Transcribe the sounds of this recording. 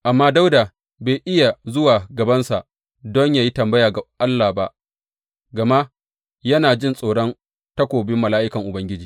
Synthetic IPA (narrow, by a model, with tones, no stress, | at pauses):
ʔa˨mːaː˦da˦wdaː˨ | beː˨jʔɪ˦ja˨zʊ˦waː˨ɡɐ˨bɐ˦nsa˨ʔ | dɔ˦ɲjaː˨ji˦tɐ˨mbɐ˦jaː˨ɡa˨ʔa˦lːaː˨ba˦ʔ | ɡɐ˨ma˦ʔ | jɐ˦naː˨d͡ʒɪ˦nsʼoː˨ɽɔ˦n | tɐ˦kʷoː˨bɪ˦mːɐ˨laː˦ʔɪ˦kɐ˨ŋʔʊ˨bɐ˦ŋɡʲɪ˦d͡ʒiː˨